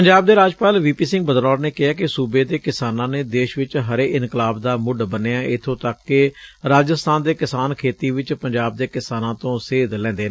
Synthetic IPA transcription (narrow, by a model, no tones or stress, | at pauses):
pəɲd͡ʒaːb̚d̪eːɾaːd͡ʒpaːlʋiːpiːsɪ̃ŋɡ̚bəd̪lɔːɾneːkɪɦaːkɪsuːbeːd̪eːkɪsaːnãːneːd̪eːʃʋɪt͡ʃɦəɾeːʔɪnklaːbd̪aːmʊɖbəneːɛʔɪt̪ʰːõːt̪əkːɪɾaːd͡ʒəst̪ʰaːnd̪eːkɪsaːnkʰeːt̪iːʋɪt͡ʃpəɲd͡ʒaːb̚d̪eːkɪsaːnãːt̪õːseːd̪lɛ̃ːnd̪eː